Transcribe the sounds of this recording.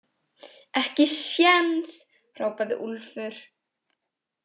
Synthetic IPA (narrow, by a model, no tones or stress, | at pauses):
ɛhcɪsjɛns | r̥aːwpaðɪ̰ʔulfʏɾ̥